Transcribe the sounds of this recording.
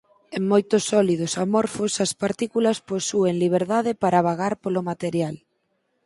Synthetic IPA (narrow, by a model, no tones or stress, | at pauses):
eŋmojt̪ʊsɔlið̞osamɔɾfosɐspaɾt̪ikulɐsposueŋliβ̞eɾðað̞ɪpaɾaβ̞aɣaɾpolomat̪eɾjal